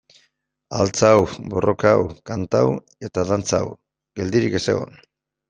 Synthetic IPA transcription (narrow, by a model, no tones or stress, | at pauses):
a̰lt͡sawbo̞ro̞kaawkant̪aw | e̞t̪aðant͡saa̰w | ɡe̞ld̪iɾike̞seɣo̞̰n